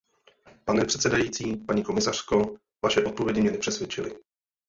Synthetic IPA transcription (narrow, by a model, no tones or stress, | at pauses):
panɛpr̥ɛt̪sɛdajiːt͡siːpaɲiːko̞mɪsar̝̥ko̞ | vaʃɛʔo̞t̪̚povjɛɟɪmɲɛnɛpr̥ɛsvjɛt͡ʃɪlɪ